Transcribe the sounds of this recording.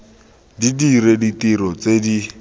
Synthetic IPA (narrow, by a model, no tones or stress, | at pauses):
didiɾeditiɾɔt͡sedi